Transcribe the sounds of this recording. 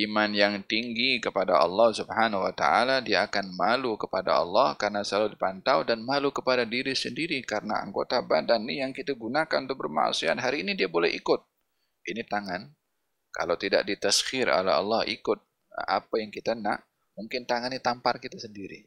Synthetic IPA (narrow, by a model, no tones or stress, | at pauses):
ʔimanjaŋt̪iŋɡikəpadaʔɑ̰lːɑhsubhanawat̪a̰ʔa̰ladiaːkanmalukəpada̰ɑ̰lːɑhkaɾənasəlaludipant̪awdanmalukəpadadiɾisəndiɾikaɾəna̰a̰ŋɡot̪abadanːijaŋkit̪aɡunakannt̪ʊk̚bərma̰ʔsia̰t̪ɦaɾiːnidiabolɛhḭkʊt̪̚ | init̪aŋan | ka̰lawt̪ida̰ʔ̚dit̪ashɪɾo̰lɛ̰ɦɑ̰lːɑhḭkʊt̪̚ | ʔapajaŋkit̪ana̰ʔ | muŋkɪnt̪aŋanːit̪amparkit̪asəndiɾḭ